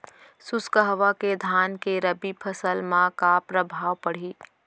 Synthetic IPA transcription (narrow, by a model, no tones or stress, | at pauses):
sʊskəɦʋaked̪ʱaːnkeɾəbipʰəsəlmãkapɾəbʱaːʋpəɽ̤iː